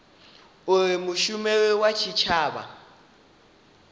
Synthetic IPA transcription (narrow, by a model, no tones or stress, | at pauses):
ʊrɪmʊʃumɛwat͡ʃʰit͡ʃʰaːba̰